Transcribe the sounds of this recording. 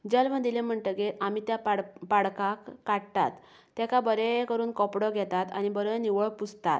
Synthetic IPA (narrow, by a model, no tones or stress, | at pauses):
d͡ʑəlʋə̃nd̪ilẽm̤əɳʈ̪əɡeɾamit̪japaɽpaɽkakːaʈt̪at̪ː | ɛkabəɾekəɾuːnkɔpɽɔɡʱɛt̪at̪añibəɾniʋəɭput͡st̪a̰t̪